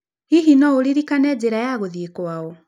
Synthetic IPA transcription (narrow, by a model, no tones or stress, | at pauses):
hiɦinɔoɾiɾikanɛːd͡ʑeɾajaɣoðiekwaɔ